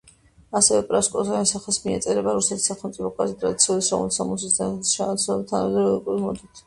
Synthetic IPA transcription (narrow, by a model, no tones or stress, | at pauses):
asɛvɛpʼɾaskʼɔzamɛsaχɛsmiɛt̪sʼɛɾɛbaɾusɛt̪ʰi̥sːaχɛlˠmt̪sʼipʰɔkʼazt̪ʼɾad̪it̪sʰiulisɾɔ̰vmɛsamus̬isst̪ʰanamɛd̪ɾɔikʼuɾmɔd̪it̪ʰ